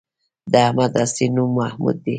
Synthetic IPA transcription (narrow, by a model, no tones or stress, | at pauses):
d̪ahmad̪asinumahmṵd̪ːi